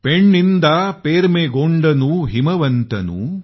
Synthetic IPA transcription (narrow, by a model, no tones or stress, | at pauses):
peɳːind̪ɐpeːɾmeɡoɳɖɐnuɦimɐʋɐnt̪ɐ̰nṵ